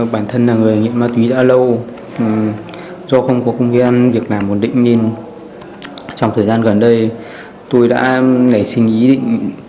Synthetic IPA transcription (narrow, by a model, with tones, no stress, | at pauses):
ɓaː˧˩nt̪ʰə˧nːaː˨˩ŋɨ˨˩ə˩ŋḭ˧˨ənmaː˧t̪wi˨˦ɗa̰ː˧˥lə˧w | zɔ˧xə˧wŋ͡mkɔ˨˦kŋ͡mk̪e˨˦ʔa˧nvi˨˩ək̚naː˨˩mːo˨˩nɗḭ̈˧˨ŋ̟ne˧n | t͡ɕɔ˧wŋ͡mt̪ʰəː˨˩jzaː˧nɣə˨˩nɗə˧j | t̪o˧jɗa̰ː˧˥na˧˩jsï˧ŋ̟ʔi˨˦ɗḭ˧˨ŋ̟